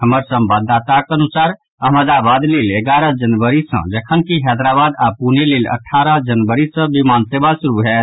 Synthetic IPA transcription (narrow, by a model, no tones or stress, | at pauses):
həməɾsəmbad̪ːat̪akənusaɾ | əɦməd̪abad̪lileɡaɾəd͡ʒənʋəɾisə̰̃d͡ʒəkʰənkiɦɛd̪ɾabad̪apunelilə̰ʈʰːaɾəd͡ʒənbəɾisə̃bimansebasuɾuɦɛ